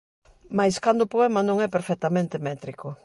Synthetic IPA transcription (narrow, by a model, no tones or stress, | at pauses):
majskand̪ʊpoɛmɐnõŋɛpeɾfɛt̪amẽnt̪emɛt̪ɾiko